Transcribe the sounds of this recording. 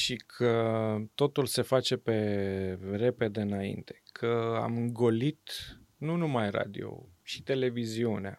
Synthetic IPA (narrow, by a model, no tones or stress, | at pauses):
ʃikʰət̪o̞t̪ulse̞fat͡ʃe̞pe̞ | re̞pe̞d̪e̞ɨnaḭnt̪e̞̥kʰəa̰mɨŋɡo̞lit̪ | nunumajra̰d̪ḭo̞̰ʃi̥t̪e̞le̞viziunea̰